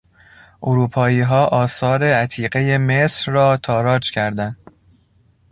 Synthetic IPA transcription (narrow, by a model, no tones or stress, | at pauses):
ʔoɾuːpʰɒːiːɦɒːʔɒːsɒːɾe̞æt̪ʰiːɢe̞je̞mesɾːɒːt̪ʰɒːɾɒːd͡ʒcʰæɾd̪ænd̪̥